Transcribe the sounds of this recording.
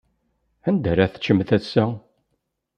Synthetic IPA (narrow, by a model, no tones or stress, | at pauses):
ænd̪æɾaθə̥t͡ʃːəmθæsːæ